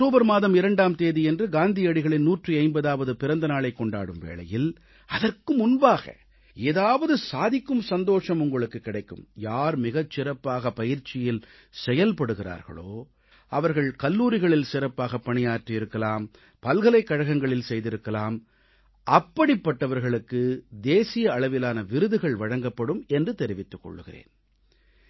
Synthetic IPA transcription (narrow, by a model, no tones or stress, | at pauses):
kʈːoːbɐɾmaːðɐmɪɾɐɳɖaːmt̪eːðiɛndrɯɡaːnd̪ijɐɽɪɣɐɭɪnnuːʈriɐɪmbɐðaːʋɐðɯpɪɾɐnd̪ɐnaːɭɐɪkːɔɳɖaːɽɯmʋḛːɭɐ̰jɪl | ɐðɐrkɯmʊnbaːɣɐ̰ | eːðaːʋɐðɯsaːðɪkːɯmsɐnd̪oːʂɐmʊŋɡɐɭɯkːɯkːɪɽɐɪkːɯ̰mjaːɾmɪɣɐt͡ʃsːɪɾɐpːaːɣɐpɐjɪɾt͡ʃɪjɪl | sɛjɐlpɐɽɯɣɪra̰ːɾɣɐ̰ɭo̰ː | ʔɐʋɐɾɣɐɭkɐlːuːɾɪɣɐɭɪlsɪɾɐpːaːɣɐpːɐɳɪjaːʈrɪɪɾɯkːɐlaːm | pɐlɣɐlɐɪkːɐɻɐɣɐŋɡɐɭɪlsɛjðɪɾɯkːɐlaːm | ʔɐpːɐɽɪpːɐʈːɐʋɐɾɣɐɭɯkːɯd̪eːsɪjɐːɭɐʋɪlaːnɐʋɪɾɯðɯɣɐɭʋɐɻɐŋɡɐpːɐɽɯmɛndrɯt̪ɛɾɪʋɪt̪ːɯkːɔ̰ɭːɯɣɪrḛːn